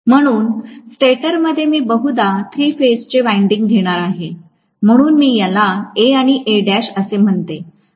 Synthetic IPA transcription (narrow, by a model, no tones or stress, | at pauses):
m̤əɽ̃uːnsʈeʈəɾməd̪ʱːjemiːbəɦud̪at̪ʰɾiːfest͡ɕeʋajiɳɖiŋɡɡʱeɽ̃aɾaɦe | m̤əɽ̃uːnmiːjalaeaɽ̃iʔeɖæɕəsem̤əɳt̪e